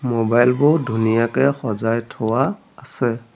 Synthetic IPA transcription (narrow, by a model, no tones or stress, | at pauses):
mɔbajlbʊdʱunijakɛxɔzajtʰɔwaː | sɛ